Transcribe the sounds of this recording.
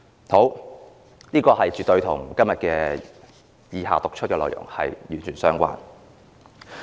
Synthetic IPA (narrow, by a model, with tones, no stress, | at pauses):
ho˨˥w | niː˥kɔː˧hɐ˨jt͡syː˨t̪ːɵ˧ɥt̪ʰʊ̰˨˩ŋkɐ˥mjɐ˨t̚kɛː˧ | jiː˨˧ɦa̰ː˨˩t̪ʊ˨k̚t͡ʃʰt̚kɛː˧lɔː˨jʊ̰˨˩ŋhɐ̰˨jjyː˨˩nt͡ʃʰyː˨˩nsœː˥ŋkʷa̰ː˥n